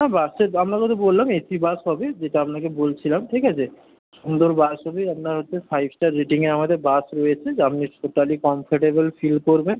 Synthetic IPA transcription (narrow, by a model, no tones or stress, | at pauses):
nabaseɾamɾakɔt̪ʰobolːamesibasɦɔbed͡ʑeʈaamnakebolt͡ɕʰilamʈʰikat͡ɕʰe | ʃund̪oɾbasɦɔbeapnaɾɦotːʰefajbʱʈaɾiʈiŋeɾamad̪eɾbasɾojet͡ɕʰed͡ʑapniʃot̪alikɔmfʰaʈebolfilkoɾben